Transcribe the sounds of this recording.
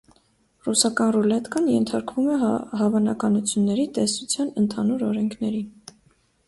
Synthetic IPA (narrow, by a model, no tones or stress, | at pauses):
rusɑkɑnrulɛt̪kɑnjɛnt̪ʰɑɾkvumɛɦɑvɑnɑkɑnut͡sʰjunːɛɾit̪ɛsut͡sʰjɑnənt̪ʰɑnuɾɔɾɛŋkʰnɛɾi